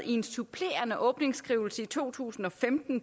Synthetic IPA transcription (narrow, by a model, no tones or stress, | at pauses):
ie̝nsupʰle̝̰ːɐnəʔɔ̽ːb̥ne̝ŋsɡ̥ʁiːʊl̩səit͡sʰo̝̰ːt͡sʰṵːsn̩ɒ̽femd̥n̩